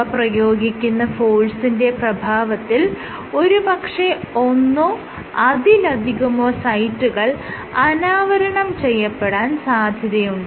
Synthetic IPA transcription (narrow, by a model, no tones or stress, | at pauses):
ɐprɐjo̞ːɡikʲːunːɐfoːɭsinde̞prɐbʱaːʋɐt̪ːil | o̞ɾubɐkʂeo̞nːo | ɐd̪ilɐd̪ʱiɣumoːsɐjtːuɣɐɭ | ɐnaːʋɐɾɐɳɐmt͡ɕe̞jːɐpːe̞ɽaːnsaːd̪ʱjɐðjɐjuɳɖɨ